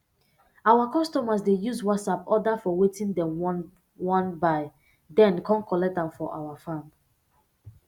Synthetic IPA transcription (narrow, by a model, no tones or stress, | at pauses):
awakɔstɔmasdejuzwɔtsapɔdafɔwetĩndɛ̃m | wɔ̃nbaɪ | dɛ̃nkʰɔ̃nkɔlɛk̚tdãmfɔʔa̰wafãm